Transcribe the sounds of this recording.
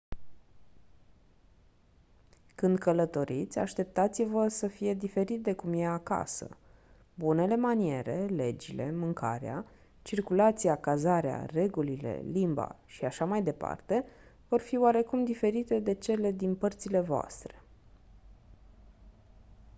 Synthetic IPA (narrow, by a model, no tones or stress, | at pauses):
kɨnd̪kələt̪o̞ɾit̪sʲa̰ʃt̪e̞p̚t̪at̪sivəsəfije̞d̪ife̞ɾit̪̚d̪e̞kumjeaka̰sə̰ | bune̞le̞manie̞ɾe̞le̞d͡ʒile̞̰mɨŋka̰ɾea̰ | t͡ʃirkulat̪sijakazaɾea̰re̞ɡulile̞̰limba̰ʃiaʃamajd̪e̞pa̰rt̪e̞vo̞rfioaɾe̞kumd̪ife̞ɾit̪e̞d̪e̞t͡ʃe̞le̞d̪inpərt̪sile̞voa̰st̪ɾe̞̥